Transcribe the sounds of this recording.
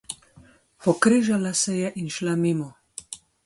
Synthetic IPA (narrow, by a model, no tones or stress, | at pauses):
xɔkɾeʒalasɛjɛʔinʃlamimɔ